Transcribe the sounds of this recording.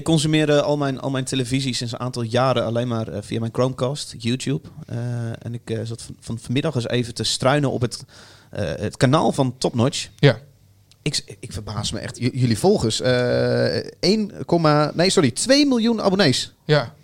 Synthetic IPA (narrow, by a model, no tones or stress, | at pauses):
ɪkːɔnsymɪərdəɔlˠmɛjnɔ̰lˠmɛjntʰeləvizisɪnsənʔaːntɔlˠjaːɾəalejnmaːrfiamɛjnkrowmkastjuːtʰjup | ɛ̰nɪkzɔtfɔnfɔnmɪdɔxəsḛːvətəstrœɥnəʔɔ̰pətː | ətkana̰ːlˠfɔntɔpnɔt͡ʃ | ɪkɪkfərbaːsmə̰ʔɛ̰xtjølˠifɔlˠɣəsəː | ejnkomanejsoritʋejmilˠjuna̰boneːs